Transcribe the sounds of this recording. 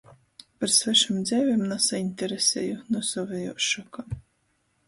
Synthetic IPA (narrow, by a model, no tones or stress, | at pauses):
paɾsvɛʃamd̪zʲɛvʲemnasainʲt̪ʲɛɾesʲḛːjunusɔvejɔ̰ːʃɔka